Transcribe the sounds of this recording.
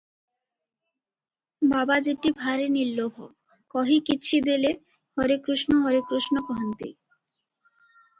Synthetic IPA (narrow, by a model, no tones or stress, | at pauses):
babad͡ʑeʈibʱaɾenilːobʱo̰ | kɔɦikitːɕʰid̪ele | hɔɾekɾuʃnoɦɔɾekɾuʃnopoɦant̪ḭ